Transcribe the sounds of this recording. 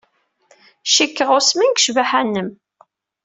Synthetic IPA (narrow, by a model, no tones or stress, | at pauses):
ʃikːəʁʊsminɡʃvaħænːəm